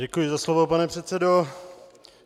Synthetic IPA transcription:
ɟɛkujɪzaslovopanɛpr̝̥ɛt̪sɛdo

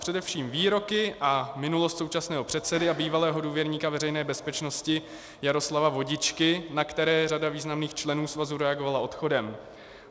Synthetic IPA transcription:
pr̥ɛdɛfʃiːmviːɾo̞kɪʔamɪnulost̪so̞wt͡ʃasnɛːɦo̞pr̝̥ɛt̪sɛdɪabiːvalɛːɦo̞duːvjɛɾɲiːkavɛɾɛjnɛːbɛspɛt͡ʃno̞scɪ | jaɾo̞slavavo̞ɟɪt͡ʃkɪnakt̪ɛɾɛːradaviːznamniːxt͡ʃlɛnuːsvazuɾɛaɡo̞valaʔo̞t̪xo̞dɛm

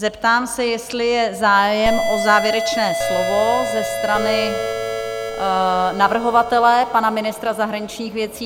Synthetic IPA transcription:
zɛpt̪aːmsɛjɛst̪lɪjɛzaːjɛmʔo̞zaːvjɛɾɛt͡ʃnɛːslovo̞zɛst̪ɾanɪ | navr̩ɦo̞vat̪ɛlɛpanamɪnɪst̪ɾazaɦɾaɲɪt͡ʃɲiːxvjɛt͡siː

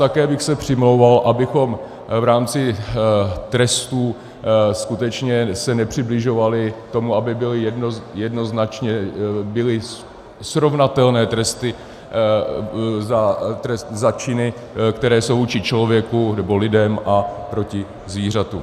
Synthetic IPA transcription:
t̪akɛːbɪxsɛpr̝̥ɪmlo̞wvalʔabɪxo̞m | vɾaːmt͡sɪ | t̪ɾɛst̪uː | skut̪ɛt͡ʃɲɛsɛnɛpr̥ɪblɪʒo̞valɪt̪o̞muabɪbɪlɪjɛdnojɛdno̞znat͡ʃɲɛbɪlɪ | sɾo̞vnat̪ɛlnɛːt̪ɾɛst̪ɪ | zat̪ɾɛst̪zat͡ʃɪnɪ | kt̪ɛɾɛːsowvuːt͡ʃɪt͡ʃlo̞vjɛkunɛbo̞lɪdɛmʔapɾo̞cɪ | zviːr̝at̪u

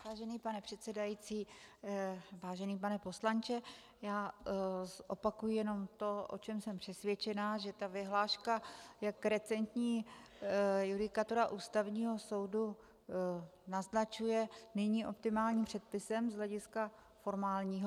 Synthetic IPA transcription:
vaːʒɛniːpanɛpr̥ɛt̪sɛdajit͡siː | vaːʒɛniːpanɛpo̞slant͡ʃɛ | jaː | ʔopakujɪjɛno̞mt̪o̞ʔo̰t͡ʃɛmsɛmpr̥ɛsvjɛt͡ʃɛnaʒɛt̪avɪɦlaːʃkajakɾɛt͡sɛnt̪ɲiː | judɪkat̪o̞ɾaʔuːst̪avɲiːɦo̞so̞wdu | naznat͡ʃujɛnɪɲiːʔo̞p̚t̪ɪmaːlɲiːmpr̝̥ɛt̪̚pɪsɛmzɦlɛɟɪska | fo̞ɾmaːlɲiːɦo

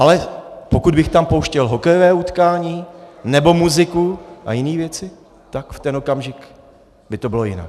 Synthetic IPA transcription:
ʔalɛpokud̪bɪxt̪ampo̞wʃcɛlɦo̞kɛjovɛːut̪kaːɲiːnɛbo̞muzɪkuʔa̰jɪniːvjɛt͡sɪ | t̪akft̪ɛno̞kamʒɪk | bɪt̪o̞bɪlo̞jɪna̰k

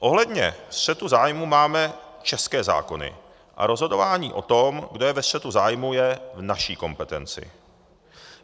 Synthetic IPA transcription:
ʔo̞ɦlɛdɲɛ̰sr̝̥ɛt̪uzaːjmumaːmɛ | t͡ʃɛskɛːza̰ːko̞nɪ̰ | ʔa̰ɾo̞zɦo̞do̞vaːɲiːʔo̞t̪o̞mɡdo̞jɛvɛstr̥ɛt̪uzaːjmujɛvnaʃiːko̞mpɛt̪ɛnt͡sɪ̰

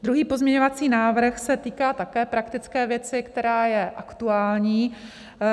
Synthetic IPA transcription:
d̪ɾuɦiːpo̞zmɲɛɲovat͡siːnaːvr̩xsɛt̪iːkaːt̪akɛːpɾakt̪ɪt͡skɛːvjɛt͡sɪkt̪ɛɾaːjɛʔakt̪uaːlɲiː

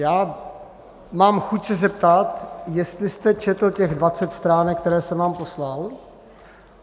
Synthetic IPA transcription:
jaː | maːmxucsɛzɛp̚t̪at̪jɛst̪lɪst̪ɛt͡ʃɛt̪l̩cɛɣdvat͡sɛt̪st̪ɾaːnɛk̚ːt̪ɛɾɛːsɛmvaːmpo̞slal

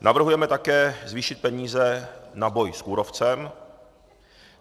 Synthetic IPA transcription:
navr̩ɦujɛmɛt̪akɛːzviːʃɪt̪̚pɛɲiːzɛnabo̞jskuːɾoft͡sɛm

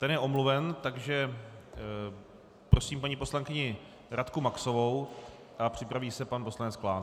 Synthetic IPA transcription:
t̪ɛnjɛʔo̞mluvɛnt̪aɡʒɛ | pɾo̞siːmpaɲipo̞slaŋkɪɲɪ | ɾʔat̪kumakso̞vo̞w | ʔapr̝̥ɪpɾaviːsɛpanposlanɛt͡sklaːn

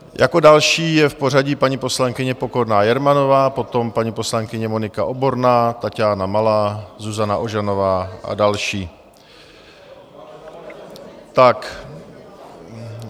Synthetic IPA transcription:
jʔako̞dalʃiːjɛfpo̞r̝aɟipaɲipo̞slaŋkɪɲɛpo̞ko̞ɾnaːjɛɾmano̞vaːpo̞t̪o̞mpaɲipo̞slaŋkɪɲɛmo̞nɪkaʔo̞bo̞ɾnaːt̪acaːnamalaːzuzanaʔo̞ʒano̞vaːʔa̰dalʃiː | t̪ak

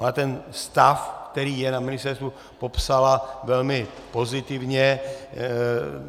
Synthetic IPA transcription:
at̪ɛnst̪afkt̪ɛɾiːjɛnamɪnɪst̪ɛɾst̪u | po̞psalavɛlmɪ | po̞zɪt̪ɪvɲɛ

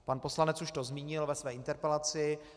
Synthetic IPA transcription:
panpo̞slanɛt͡suʃt̪ozmiːɲɪlvɛsvɛːɪnt̪ɛɾpɛlat͡sɪ

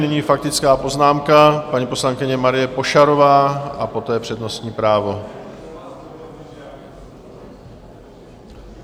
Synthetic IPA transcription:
nɪɲiːfak̚t̪ɪt͡skaːpo̞znaːmkapaɲiːpo̞slaŋkɪɲɛmaɾɪjɛpo̞ʃaɾo̞vaːʔapo̞t̪ɛːpr̝̥ɛdno̞st̪ɲiːpɾaːvo̞

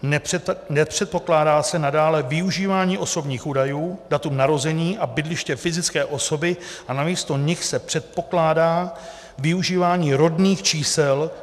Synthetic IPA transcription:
nɛnɛpr̝̥ɛt̪̚po̞klaːdaːsɛnadaːlɛvɪuʒiːvaːɲiːʔo̞so̞bɲiːxʔuːdajuːdat̪umnaɾo̞zɛɲiːʔabɪdlɪʃcɛfɪzɪt͡skɛːʔo̞so̞bɪʔanamiːst̪o̞ɲɪxsɛpr̥ɛt̪̚po̞klaːdaː | vɪuʒiːvaːɲiːɾo̞dniːxt͡ʃiːsɛl

